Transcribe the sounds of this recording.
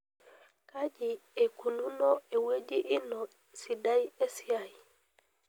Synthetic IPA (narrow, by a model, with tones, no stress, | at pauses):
kad͡ʒi˨ɛ˨ku˨lunɔɛ˨we˦d͡ʒi˦ʔi˦nɔ | si˨dajɛ˦si˦aj